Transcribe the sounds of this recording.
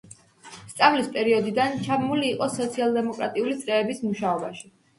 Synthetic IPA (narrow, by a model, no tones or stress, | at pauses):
st̪sʼavlispʼɛɾiɔd̪id̪ant͡ʃʰabmuliːqʼɔsɔt̪sʰialˠd̪ɛmɔkʼɾa̰t̪ʼiulit̪sʼɾɛːbismuʃaɔba̰ʃi̥